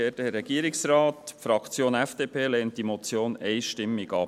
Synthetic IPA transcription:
eːdəɾɛɡ̥iːɾɪksɾɑːtfɾɑkt͡sjoːnɛfd̥eːpʰeːlɛːntdimot͡sjoːnɛɪʃtɪmːɪɡɑp

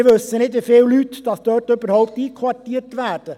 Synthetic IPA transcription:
ʋøsənɪd̪ʋɪfeːllyt̪d̪̥ɑsd̪œtøbəɾhɔʊp̚t̪iːkʰʋɑtiːtʋæːd̥ə

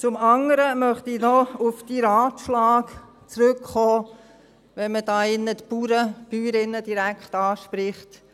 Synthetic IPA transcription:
t͡sʊmɑŋəɾəmœχtinɔufd̥iɾɑːtʃlɑːk | t͡sɾɵkχɔː | ʋɛnməd̥ɑːɪnːətpuːɾəb̥yːɾɪnːəd̥iɾækχtɑːʃpɾɪχt

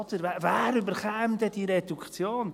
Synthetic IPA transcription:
ɔdəɾvɛvɛːɾybəɾχɛːmdɛd̥iɾedukt͡sjoːn

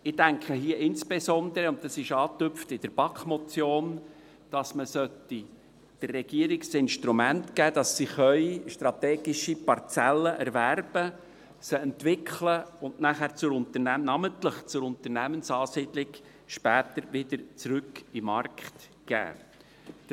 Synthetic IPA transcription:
ɪdæŋkχəɦiəʔɪnsb̥esɔnd̪əɾəʊntɑsɪʃɑːt̪ʏpftɪd̥əɾb̥ɑkχmɔt͡sjoːn | d̥ɑsməsœtːi | d̥ərːɛɡ̥iəɾɪksɪnʃtɾumæntɡ̥æːd̥̪ɑsːiχœʏʃtɾɑt̪ɛːɡɪʃipɑɾt͡sɛlːəʔɛɾvæɾb̥ə | səɛntvɪkʰχləʊndnæχæːɾt͡sʊɾʊnt̪ənænɑməntləχt͡sʊɾʊnt̪əɾnæmənsɑːsiːd̥lɪk | ʃpæːt̪əɾvɪdəɾt͡sɾʏkimɑrkχt | ɡ̥æ̰ː

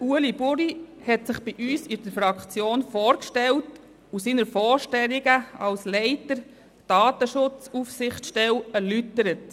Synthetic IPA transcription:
uəlibʊɾihɛtsɪχb̥iʔyːsid̥əɾfɾɑkt͡sjoːnfoːɾkʃtɛlt | usiːnəɾfɔːɾʃtɛliɡəɑlslɛɪtəɾ | d̥ɑːtəʃʊt͡sufsɪχtʃtɛlæɾlytəɾət

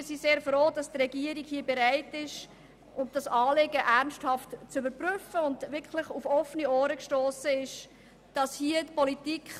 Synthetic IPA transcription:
ɪsiseːɾfroːd̥ɑstrɛɡiːəɾikhiəbɛɾaɪtɪʃ | ʔʊmd̥ɑsɑːleɡəʔæʁnsthɑftt͡sʏbəɾpryfəʊndvʋɪkʰlɪχufɔfənioːɾəkʃtoːsəɪʃ | d̥ɑshiətpɔlitikʰχ

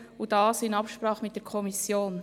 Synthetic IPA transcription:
ud̥ɑːsɪnɑpʃpɾɑːχmɪt̚d̥ɛɾkʰɔmisjoːn

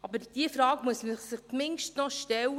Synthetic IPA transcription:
ʔɑbəɾd̥iəfɾɑːɡmuəsməχsɪχt͡smɪŋʃtnɔʃtɛl

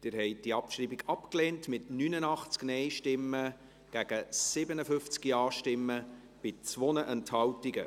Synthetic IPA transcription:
d̥ɪɾhɛɪd̥iɑpʃɾiːbiɡɑpkleːntmɪtnyːnənɑχt͡sknɛɪʃtɪmːə | ɡ̥æɡ̥əsɪbənəfʏft͡skiɑːʃtɪmːə | b̥ɪt͡sʋonəʔɛnthɑwtiɡə

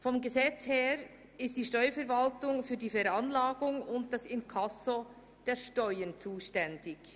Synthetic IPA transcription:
fɔmɡəzɛt͡sheːɾ | ɪstd̥iːʃtɔʏɐfɛɐɾvaltʊŋfyːdiːfɛɾanlaːɡʊŋʊnt̚d̥asɪnkʰaso | d̥eːʃtɔʏənt͡suːʃtɛndɪç

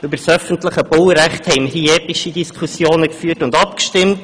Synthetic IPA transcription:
ʉbəɾsœfəntləχəbʊlɾæχthɛɪmhiɛːpiʃidiskʰusjoːnəkfyːətʊndɑpkʃtɪmt

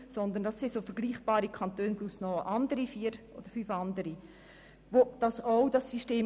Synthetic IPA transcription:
sɔnd̪əndɑsːesofəɾɡliːχb̥aːɾikʰɑnt̪øːnplusnɔʔɑndəɾifiːɾʔo̰d̥̪əɾfyfɑndəɾi | vod̥ɑsoʊdɑsːyʃteː

